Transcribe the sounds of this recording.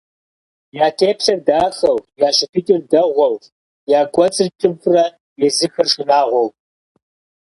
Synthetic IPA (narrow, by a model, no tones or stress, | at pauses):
jaːtʰeːpɕɐrdaːxɐwjaːɕɪpʰitʼɪrdɐʁʷɔw | jaːɡʷʼɔt͡sʼɨrt͡ʃʼɨpʰrɐ | jɛzɨxɐrʂɪnaːʁʷɔw